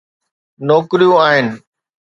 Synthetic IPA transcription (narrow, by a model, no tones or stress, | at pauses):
nɔːkɪɾijũaːɦɪnɪ̆